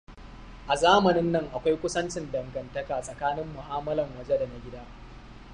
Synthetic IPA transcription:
ʔa˨zaː˦mɐ˨nɪ˦nːɐ˦ŋʔa˨kʷa˦jkʷʊ˦sɐ˦nt͡ʃɪ˨ndɐ˨ŋɡɐ˨ntɐ˦kaː˨sʼɐ˨kaː˦nɪ˦mːʊ˨haː˦mɐ˦lɐ˨mwɐ˨d͡ʒɛ˦da˨na˦ɡʲɪ˦daː˦

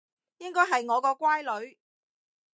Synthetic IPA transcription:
jɪ˥ŋkɔː˥jɦɐ˨jŋɔː˨˧kɔː˧kʷwaː˥jlɵ˨˧ɥ

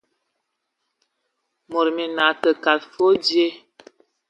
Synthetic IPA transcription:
mo˨ɾmi˨na˨tə˨ka˨tfo˦dje˦

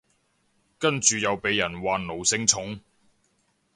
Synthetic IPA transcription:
kɐ˥nt͡ʃyː˨jɐ˨˧wpe˨˧˥jːɐ˨˩nwaː˨nlo˨˩wsɪ˨˥ŋt͡sʰʊ˨˥ŋ

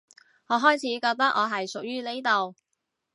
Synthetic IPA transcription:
ŋɔː˨˧ɦɔː˥jt͡sʰiː˨˥kɔː˧k̚t̪ɐ˥k̚ʔɔː˨˧ɦɐ˨jsʊ˨k̚jyː˥ne˥t̪o˨w

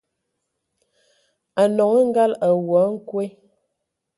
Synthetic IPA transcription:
a˨nɔ˨ŋə˦ŋ̩˦ɡa˦la˨wɔ˨˦ŋ̩˦kwe˦

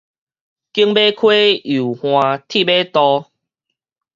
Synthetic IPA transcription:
ki˦əŋbe˦kʰwe˦u˨˩hw̃ã˧t̪ʰi˥˨be˦t̪ɔ˧

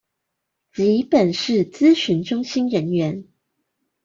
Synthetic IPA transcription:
t͡ɕi˨˦pə˨˩nʂɻ̩˥˩t͡sɹ̩˦ɕy˧˦nʈ͡ʂʊ˥ŋɕi˥nɻə˧˦nɥɛ˧˦n

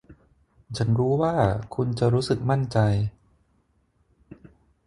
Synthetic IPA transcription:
t͡ɕʰa˦˥nɾuː˦˥waː˥˩kʰu˧nt͡ɕa˨˩ɾuː˦˥sɯ˨˩k̚ma˥˩nt͡ɕa˧j

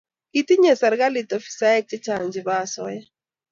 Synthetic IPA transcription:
it̪i˦ɲɛ˨sa˨ɾɡa˦li˨t̪ɔ˨fi̥˨sa˦ɛ˦k̚t͡ʃɪ˦t͡ʃa˨ŋd͡ʒɪ˨ba˦˨sɔ˦ja˦

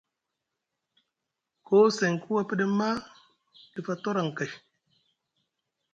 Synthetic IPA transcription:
kʰo˦se˨ŋkʰu˦wa˦pə˦ɗə˦mːa˦ | di˨fa˨to˦ɾa˨ŋ˨ka˨j

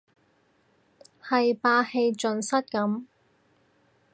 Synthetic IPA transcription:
hɐ˨jpaː˧he˧jt͡sɵ˨˧nsɐ˥t̚kɐ˨˥m

